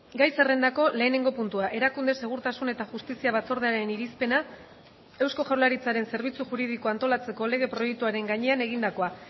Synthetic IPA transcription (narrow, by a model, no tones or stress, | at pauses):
ɡajsere̞nd̪ako̞le̞ːne̞ŋɡo̞punt̪uaʔe̞ɾakund̪ese̞ɣ̞uɾt̪asune̞t̪aʝust̪isiaβ̞at͡so̞ɾðeaɾe̞niɾispe̞na | e̞wsko̞ʝawlaɾit͡saɾe̞nse̞ɾβ̞it͡suʝuɾiðikoant̪o̞lat͡se̞ko̞le̞ɣ̞e̞pɾo̞jek̚t̪uaɾe̞ŋɡaɲe̞ane̞ɣind̪ako̞a